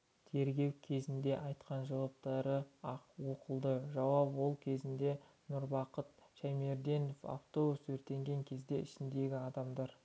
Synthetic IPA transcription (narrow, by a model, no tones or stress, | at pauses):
t̪ʰe̞ɾɡʲe̞wkʲʰe̞zɪnd̪e̞ʔɑjt̪qɑnʒɑwɑp̚t̪ɑɾəɑqwoqəlˠd̪əʒɑwɑpwo̞lˠkʲʰe̞zɪnd̪e̞ | nʊɾbɑqət̪ʃæjme̞ɾd̪e̞nofɑ̰ft̪o̞busɵɾt̪e̞ŋɡʲe̞ŋkʲʰe̞zd̪e̞ɪʃɪnd̪e̞ɡʲɪɑd̪ɑmd̪ɑɾ